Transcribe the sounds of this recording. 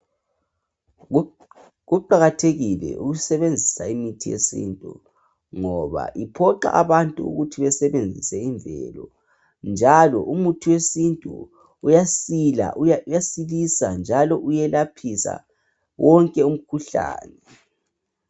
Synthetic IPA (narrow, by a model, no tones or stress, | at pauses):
ɣuǃaɣatʰeɣilɛ̰ʔuɣusɛβend͡zʱisaimitʰijḛsḭntʼu | ŋɔβa̰ʔipʰɔǃa̰ʔaβantʼuṵɣutʰiβɛsɛβend͡zʱisɛiɱvʱɛ̰lɔ | nd͡ʒʱalɔ̰ʔumutʰiwesintʼṵː | jasila̰ʔjasilisand͡ʒʱalɔʔujɛlapʰisa̰ | wɔŋkʼɛum̩kʰuɬa̰ːnɛ